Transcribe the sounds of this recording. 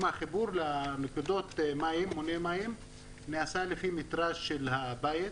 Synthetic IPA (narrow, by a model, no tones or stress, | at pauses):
maχibuɾlamekud̪o̞t̪maimːonemaim | neasalefimit̪ɾaʃːelhabajet̪